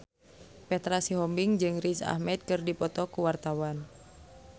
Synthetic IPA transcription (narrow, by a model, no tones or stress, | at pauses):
pɛt̪ɾasiɦɔmbiŋd͡ʒɨŋrisa̰hmɛt̪̚kɨrdipɔt̪ɔkuwart̪awan